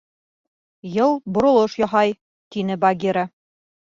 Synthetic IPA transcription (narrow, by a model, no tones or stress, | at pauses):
jɤlˠbŏɾŏlˠɤʃjɒɦɑj | t̪inɘbɐɡʲiɾa